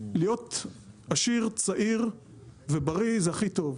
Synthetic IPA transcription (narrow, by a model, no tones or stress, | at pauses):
lijo̞t̪aʃiʁt͡saʔiʁ | vebaʁizeaχit̪o̞v